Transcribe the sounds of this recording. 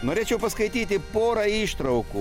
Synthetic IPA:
noːɾʲeːt͡ʃʲɛʊpɐskɐɪt̪ʲiːt̪ʲɪpoːɾɐiːʃt̪ɾɐʊku

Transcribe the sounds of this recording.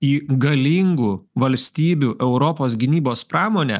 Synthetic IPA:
iːɡɐlʲiːŋɡuːʋɐlʲsʲt̪ʲiːbʲuʔɛʊɾɔpoːsɡʲɪnʲiːboːspɾɑːmoːnʲɛ̰ː

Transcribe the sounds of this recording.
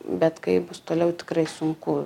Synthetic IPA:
bʲɛt̪kɐɪbʊst̪oːlʲɛʊt̪ʲɪ̥kɾɐɪsʊŋkʊ

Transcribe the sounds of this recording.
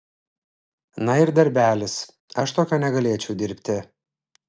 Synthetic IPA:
nɐɪɾd̪ɐɾʲbʲæːlʲɪs | ɐʃt̪oːkʲoːnʲɛɡɐlʲeɛt͡ʃʲɛʊd̪ʲɪɾʲpʲt̪ʲɪ

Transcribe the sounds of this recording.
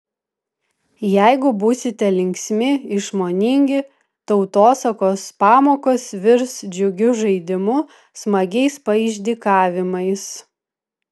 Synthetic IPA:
jæɪɡʊbuːsʲɪt̪ʲɛlʲɪŋʲksʲmʲɪɪʃmoːnʲɪŋʲɡʲɪ | t̪ɒʊt̪oːsɐkoːspɑːmoːkoːsʋʲɪɾsd͡ʒʲʊɡʲʊʒɐɪd̪ʲɪmʊ | smɐɡʲɛɪspɐɪˑʒʲd̪ʲiːkɑːʋʲɪmɐɪs

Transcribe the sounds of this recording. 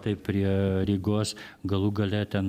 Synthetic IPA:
t̪ɐɪppʲɾʲiɛɾʲiɡoːsɡɐlˠuːɡɐlʲɛt̪ʲɛn

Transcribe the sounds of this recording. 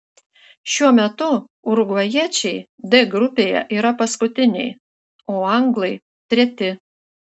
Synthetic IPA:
ʃʲuɔmʲɛt̪ʊ | ʊɾʊɡʋɐjiɛt͡ʃʲɛɪ | d̪ʲɪɡɾʊpʲeːjɛ̰ʔiːɾɐpɐskʊt̪ʲɪnʲɛ̰ɪ | oːɐŋɡlˠɐɪ | t̪ʲɾʲɛt̪ʲɪ

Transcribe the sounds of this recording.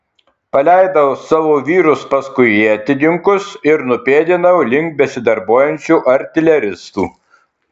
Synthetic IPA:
pɐlʲæɪd̪ɐʊsɑːʋoːʋʲiːɾʊspɐskʊɪit̪ʲɪd̪ʲɪŋkʊsɪɾnʊpʲeːd̪ʲɪnɐʊlʲɪŋkt̚bʲɛsʲɪd̪ɐɾboːjɛnʲt͡ʃʲuːʔɐɾʲt̪ʲɪlʲɛɾʲɪst̪uː

